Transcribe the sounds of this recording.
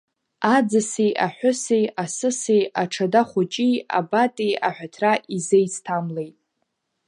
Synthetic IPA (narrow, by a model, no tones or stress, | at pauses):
ad͡zɨsejaħʷᶣʊsejasɨsejaʈ͡ʂʰadaχʷʊt͡ʃʼia̰batʼejaħʷᶣatʰraʔizejt͡sʰtʰamlejtʼ